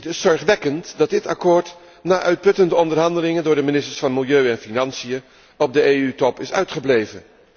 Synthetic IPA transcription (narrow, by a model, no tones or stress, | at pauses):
tɪsːɔɹχʋɛkəntdɑt̚dɪtɑ̰koːɹt | naːʔœɥt̚pɵtəndəɔndəɹɦɑndəlɪŋəndʊːɹdəminɪstəɹsfɑnmɪlˠjøɥɛnfinɑnsijə | ɔb̚dəeːytɔpɪsœ̰ɥtχəblejvən